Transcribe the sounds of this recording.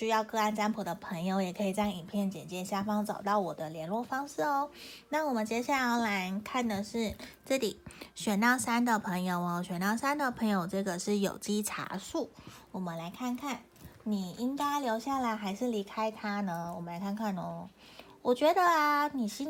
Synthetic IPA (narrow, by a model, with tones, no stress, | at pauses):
ɕy˥jɑ˥˧ʊkɤ˥˧a˥˩nʈ͡ʂa˥npʰu˨˩d̪ə˦pʰɤ˧˥ŋjo˧ʊjɛ˨˩kʰɤ˧˥i˨˩t͡sɑ˥˩ŋi˨˩ŋpʰjɛ˥˩nt͡ɕjɛ̰˨˩nt͡ɕjɛ˥nɕja˥˧fɑ˥ŋt͡sɑ˨˩ʊt̪ɑ˥˩ʊwɔ˨˩d̪ə˦ljɛ˧˥nlwɔ˥˩fɑ˥ŋʂɻ̩˥˩ɔ˧na˥˩wɔ˨˩mə˦nt͡ɕjɛ˧˥ɕja˥˩la˧˥la˧˥ɪkʰa˥˩nd̪ə˩ʂɻ̩˥˩ʈ͡ʂɤ˥˩lḭ˨˩˦ɕɥɛ˨˩nt̪ɑ˥˩ʊsa˥nd̪ə˨pʰɤ˧˥ŋjo˨˩ʊɔ˧˥ɕɥɛ˨˩nt̪ɑ˥˩ʊsa˥nd̪ə˨˩pʰɤ˧˥ŋjo˧ʊʈ͡ʂɤ˥˩ɡə˩ʂɻ̩˥˩jo̰˨˩ʊt͡ɕi˥ʈ͡ʂʰa̰˧˥ʂu˥˩wɔ˨˩mə˦nla˧˥ɪkʰa˥˧nkʰa˥˩n | ni˨˩i˥ŋka˥ɪljo˧˥ʊɕja˥˩la˧˥ɪxa˧˥ɪʂɻ̩˥˩li˧˥kʰa˥ɪt̪ʰa˥nə˧wɔ˨˩mə˦nla˧˥ɪkʰa˥˧kʰa˥˩nʊ˧˥ | wɔ˨˩t͡ɕɥɛ˧˥d̪ə˧ni˨˩ɕi˥